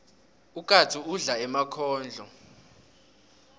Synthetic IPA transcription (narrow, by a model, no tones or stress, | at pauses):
ukʼatʰuuɮaɛmakʰɔːnd͡ɮʱɔ